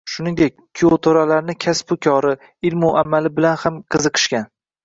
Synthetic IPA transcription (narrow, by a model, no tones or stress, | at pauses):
ʃʊnɪŋd̪ek̚ʲpʰiot̪ʰoɾalaɾnɪkʲʰaspʊkʲʰɒɾɪ | ɪlmʊamalɪbɪlanhamqʰɨzɨqʰɨ̥ʃkʲan